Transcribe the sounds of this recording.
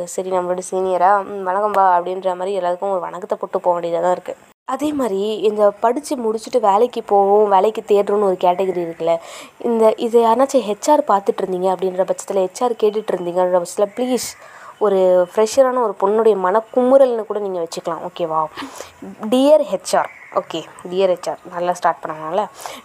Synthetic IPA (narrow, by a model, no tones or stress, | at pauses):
sɐɾinɐmːɐʋɐɽɯsiːnɪjɐɾaːʋɐnɐkːɐmbaːɐpːɐɽɪnɾɐmaːd̪ɾiɛlːaːðɯkːʊ̃ɔɾɯʋɐ̰ɳɐkːɐt̪ːɐpɔʈːɯpːoːʋɐɳɖɪɾɐt̪ãːɪɾɯkːɯ | ɐðeːmaːd̪ɾiɪnd̪ɐpɐɽɪt͡ʃːɯmʊɽɪt͡ʃːɯʈːɯʋeːlɐkːɯpoːʋʊ̃ʋeːlɛkːɯt̪eːɾɾũːnːɯɔɾɯkaːʈɛɣɐɾiɪɾɯkːɐlːɐɪnd̪ɐʔɪðɐjaːɾnaːt͡ʃːɐɦɛt͡ʃːaːɾpaːɾt̪ɯʈːɪɾɯnd̪iːŋɡɐɐpːɐɽɪnɾɐpɐt͡ʃːɐ̥t̪ːɪlɐhɛt͡ʃːaːɾkeːʈ̬ːɪʈːɪɾɯnd̪iːŋɡɐnɾɐpɐsɐ̥t̪ɪlɐpliːsɔɾɯfɪɾɛʂɐɾaːnɐɔɾɯpɔɳːʊɽɐjɐmɐnɐkːʊmɯɾɐlnɯkuːɽɐniːŋɡɐʋɛt͡ʃːɯkːɐlãːʔoːkeːʋaː | ɖiːjɐɾɦɛt͡ʃːaːɾʔoːkeːɖijɐɾɦɛʈt͡ʃaːɾnɐlːaːsʈaːɾʈ̚pɐɳːɐnaːlɐ